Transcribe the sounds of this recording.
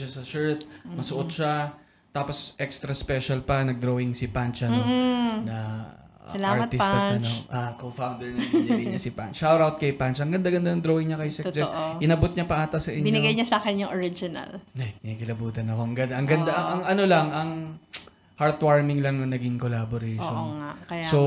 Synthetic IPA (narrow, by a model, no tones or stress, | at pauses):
ʃasɐʃɛɹt̪̚mɐsʊʔot̪̚ʃa | t̪aːpo̞sʔɛkst̪ɾɐspɛʃɐlpɐnɐɡ̚d̪ɾowɪŋsɪpant͡ʃɐ | nɐ | sɐlaaɹt̪ɪɐnt͡ʃoʔakofawnd̪ɛɹnɐbnɐɡɐjɲɲɐsɪpa̰nt͡ʃːawɾawt̪̚kɐjpant͡ʃʔɐŋɡɐnd̪aɡɐnd̪anɐd̪ɾowɪŋɲɐkɐjsɛtd͡ʒɛsʔ̪ʔɪnɐbot̪̚ɲɐpɐʔaːt̪ɐsɐʔɪɲbɪnɪɡajɲɐsɐaːkɛnjʊŋʔoɾɪd͡ʒɪnɐ̰lnɐikɪlɐbuːt̪ɐnɐko̞ɐŋɡɐd̪aʔɐŋɡɐnd̪aɐɐŋɐno̞lɐŋɐŋ | haɹt̪waɹmɪŋlɐŋnoŋnɐɡiŋkolaboɾɛjʃonŋakɐjaso